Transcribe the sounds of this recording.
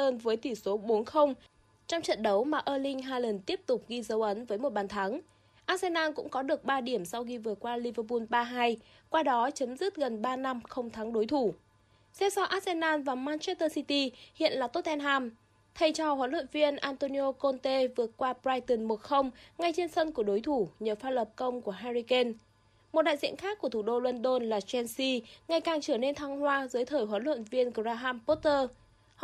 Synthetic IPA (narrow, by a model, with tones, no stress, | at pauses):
əː˧nvəː˨˦jt̪i˧˩so˨˦ɓo˨˦nxə˧wŋ͡m | t͡ɕɔ˧wŋ͡mt͡ɕə̰˧˨nɗə˨˦wmaː˨˩ʔəː˧lï˧ŋ̟ɦaː˧jlə˨˩nt̪i˦˥əp̚t̪ʊ˨˩k͡p̚ɣi˧zə˨˦wʔə˨˦nvəː˨˦jmo˨˩t̚ɓaː˨˩nt̪ʰa˨˦ŋ | ʔaː˦˥t̚se˧naː˧nkʊ̰˧˥ŋ͡mkɔ˨˦ɗɨ˨˩ək̚ɓaː˧ɗi˧˩əmsa˧wxi˧vɨ˨˩ət̚kwaː˧li˧vəː˧pu˧nɓaː˧ɦaː˧j | kwaː˧ɗɔ˨˦t͡ɕə˨˦mzɨ˦˥t̚ɣə˨˩nɓaː˧na˧mxə˧wŋ͡mt̪ʰa˨˦ŋɗo˨˦jt̪ʰu˧˩ | sɛ˧˥wsɔ˧ʔaː˦˥t̚sɛ˧naː˧nvaː˨˩maː˧nt͡ɕɛ˦˥t̪əː˧si˧t̪i˧hḭ˧˨ənlaː˨˩t̪o˦˥t̚ʔɛ˧nɦaː˧m | t̪ʰə˨˩jt͡ɕɔ˧˩hwəː˨˦nlwə̰˧˨nvi˧ənʔaː˧nt̪o˧ni˧o˧ko˧nt̪e˧vɨ˨˩ət̚kwaː˧pzaː˧jt̪ə˨˧˩nmo˨˩t̚xə˧wŋ͡mŋa˨˩jt͡ɕe˧nsə˧nku˧˩əɗo˨˦jt̪ʰu˧˩ɲəː˨˩faː˧lə˨˩p̚kə˧wŋ͡mku˧˩əɦa˧zi˧ke˧n | mo˨˩t̚ɗa̰ː˧˨zḭ˧˨ənxaː˦˥k̚ːu˧˩ət̪ʰu˧˩ɗo˧lwə˧nɗo˧nlaː˨˩t͡ɕɛ˧nsi˧ŋa˨˩jkaː˨˩ŋt͡ɕəː˧˩əne˧nt̪ʰaː˧ŋhwaː˧zɨː˨˦jt̪ʰəː˧˩jɦwə˨˦nlwə̰˧˨nvi˧ənkzaː˧ɦaː˧mpo˦˥t̚t̪əː˧